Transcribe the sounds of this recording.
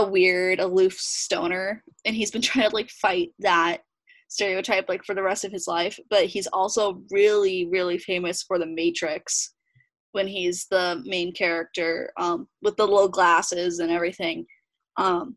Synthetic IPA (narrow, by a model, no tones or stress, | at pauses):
əwɪɹɾəlʉfstõʊ̃nə˞ɨ̃nizbɨ̃ntʰɹ̥aɪɪ̃ŋtʰəlaɪkfaɪt̪̚ðət̚ | stɛɹioʊtʰaɪplaɪkfə˞ðɨɹɛstʌv̥ɨzlaɪfb̥ʌt̚hizɔlˠsoʊɹɪlˠiɹɪlˠifẽɪ̃mɨsfə˞ðɨmeɪt͡ʃɹ̥ɪks | wɨ̃nizðəmẽɪ̃nkʰɛɹɨk̚tə˞ʌ̃mwəðəlɪl̩ˠɡlæsɪzɨ̃nɛvɹiθɪ̃ŋ | ʔʌ̃m